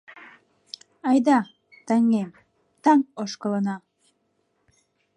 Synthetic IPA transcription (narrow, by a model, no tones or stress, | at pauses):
ɑjd̪ɑ | t̪æŋem | t̪ɑŋoʃkə̆lˠɤ̆nɑ